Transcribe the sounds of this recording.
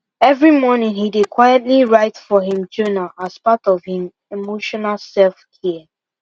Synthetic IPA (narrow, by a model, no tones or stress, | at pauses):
ɛvɹimɔnɪ̃ŋhidɪdkʰw̥ajɛtliɹaɪtfɔɦĩmd͡ʒonaʔaz̥patɔv̥hɪ̃m | emoʃɔnalsɛlfkʰiə